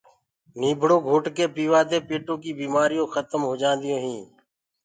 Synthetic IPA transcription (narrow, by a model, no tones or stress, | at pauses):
niːbʱɽõːɡʱoːʈkeːpiːʋaːd̪eːpeːʈoːkiːbiːmaːɾijõːxət̪əmɦoːd͡ʒãːnd̪ɪjõːɦĩː